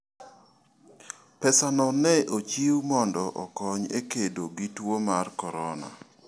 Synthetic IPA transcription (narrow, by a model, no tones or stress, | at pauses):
pɛsanɔnɛʔot͡ʃiwmɔndɔʔɔkɔɲekedoɡitwomarkɔɾɔna̰